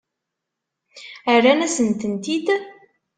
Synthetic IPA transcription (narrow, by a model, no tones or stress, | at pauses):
əɾːænæsənt̪ənt̪id̪